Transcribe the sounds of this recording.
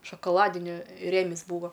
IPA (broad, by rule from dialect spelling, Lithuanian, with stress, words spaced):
ʃoːkoːˈlˠɑːdʲɪnʲɪ ˈrʲeːmʲɪs ˈbuːʋɐ